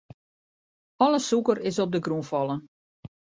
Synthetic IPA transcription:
ɔləsukəɾɪsɔb̚dəɡrunfɔlˠə

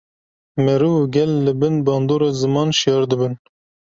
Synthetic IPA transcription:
mɛɾuːvɡʲɛlːɨbɨnbɑːnd̪oːɾɑzɨmɑːnʃijɑːɾd̪ɨbɨn

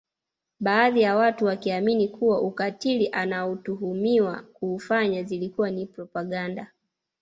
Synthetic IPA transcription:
ɓaːðijawatuwakiaminikʰuwaʔukatiliʔanautuɦumiwakuːfaɲazilikuwanipɾɔpaɠanda

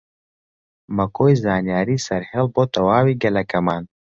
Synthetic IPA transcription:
mɐkojzɑːnjɑːɾisɐɾhelbot̪ɐwaːwiɡɐlɐkɐmaːn

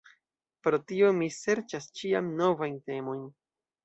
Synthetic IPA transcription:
pɾo̞tio̞mise̞ɾt͡ʃast͡ʃiamno̞vajnte̞mo̞jn

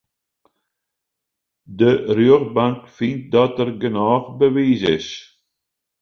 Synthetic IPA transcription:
d̪ərjøːɣbaŋkfint̚d̪ɑtəɾɡənɑːχbəʋiːzɪ̰s

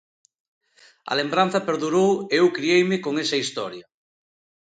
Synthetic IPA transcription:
ɐ̰lembɾanθɐpeɾðuɾoweewkɾiejmɪkoŋesɐist̪ɔɾjɐ

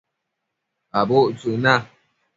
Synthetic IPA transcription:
aboʔt͡suna

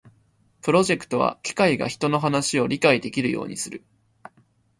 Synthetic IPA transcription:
pɯ̟ɾo̞ʑe̞kɯ̟̥t̪o̞βa̰kʲi̥kaiɡa̰çi̥t̪o̞no̞ɦanaɕio̞ɾʲikaid̪e̞kʲiɾɯ̟jo̞̰ːɲ̟isɨɾɯ̟̰

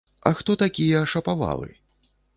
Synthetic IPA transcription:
ɐ̰xt̪ɔt̪akʲijɐːʂɐpava̰lˠɨ̰

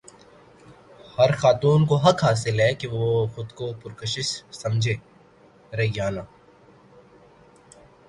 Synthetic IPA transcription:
hɐɾxaːt̪uːnkoɦɐkɦaːs̬ɪlɦɛːkeʋoxʊd̪kopʊɾkəʃɪʃsɐmd͡ʒʱeː | ɾɐɦiɡaːnaː

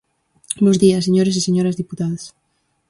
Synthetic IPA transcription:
bozðiɐseɲoɾesiseɲoɾɐzðiput̪aðas

